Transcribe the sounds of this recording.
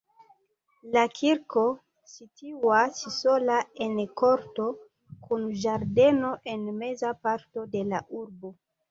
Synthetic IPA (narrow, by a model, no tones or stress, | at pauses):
lakʰiɾko̞ | sitʰiwasisolaenkoɾto̞ | kʰunʒaɾde̞no̞ʔenme̞zapaɾto̞de̞laʔuɾbo